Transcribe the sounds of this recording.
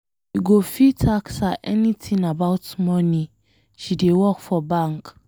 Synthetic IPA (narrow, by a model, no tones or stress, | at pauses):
iɡofitʰaksaʔɛnĩtʰĩŋabaʊtmɔ̃nĩ | ʃidewɔkfɔbãŋk